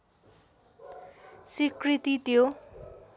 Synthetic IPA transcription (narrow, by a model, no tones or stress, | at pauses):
sikrit̪it̪jo